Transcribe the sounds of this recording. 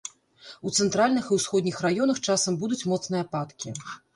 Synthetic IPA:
ut̪sɛnt̪ɾalʲnɨxiwsxɔd̪nʲixrajɔnɐxt͡ʂasɐmbud̪ut͡sʲmɔt̪snɨjɐpat̪kʲi

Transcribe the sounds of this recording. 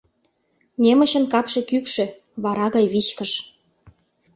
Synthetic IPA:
nʲemə̆ɕə̆nkɑpʃekykʃĕ | βɑɾɑɣɑjβit͡ɕkəʃ

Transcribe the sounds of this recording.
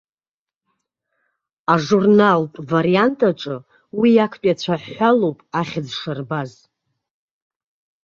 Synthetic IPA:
aʐurnalpʼvaɾijantʼaʈ͡ʂʼɨ | wijakʰpʼjat͡ɕʷʰaħːʷalowpʼaχʲɪd͡zʂɨrbaz

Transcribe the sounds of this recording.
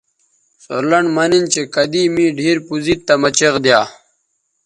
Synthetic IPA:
so̰ɾlɐɳɖmɐnint͡ɕekɐd̪iːmĩːɖʱiːɾpuzit̪ːɐmɐt͡ɕeqd̪jaː

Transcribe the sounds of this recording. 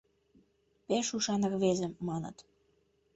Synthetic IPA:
peʃuʃɑnɤ̆rβezə̆mːɑnə̰̆t̪

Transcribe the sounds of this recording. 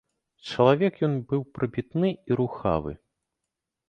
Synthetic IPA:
t͡ʂɐlˠavʲɛkjɔnbɨwpɾɐbʲit̪nɨiɾuxa̰vɨ̰

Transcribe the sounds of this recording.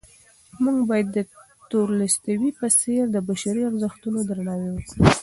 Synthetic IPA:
muŋɡbɑjad̪ːə | t̪oɾləst̪awipaseɾd̪əbaʃaɾiaɾzəxt̪unod̪ɾanɑwewəsi

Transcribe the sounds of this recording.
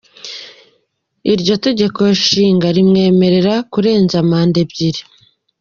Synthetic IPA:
iɾɟo̞te̞ɟe̞ko̞ʃiːŋɡaɾimŋe̞ːme̞ɾe̞ɾakuɾe̞ːnzamaːnde̞bɟiɾi

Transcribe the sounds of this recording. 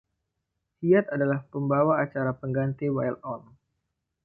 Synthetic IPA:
hiat̪adalahpəmbawaːt͡ʃaɾapəŋɡant̪iwajlɔm

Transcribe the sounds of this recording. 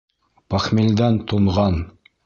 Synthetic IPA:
pɑχmild̪ænt̪uɴʁɑn

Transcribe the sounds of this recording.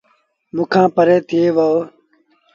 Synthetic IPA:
muːkʰãːpəɾeːt̪ʰɪeːʋoo

